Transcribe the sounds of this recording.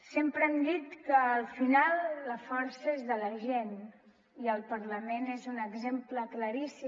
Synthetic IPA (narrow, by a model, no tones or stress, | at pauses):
sempɾəɛmd̪it̪kəːlˠfinalˠːəfɔɾsəezðələʒen | iəlˠpəɾləmenezunəɡzempləkləɾisi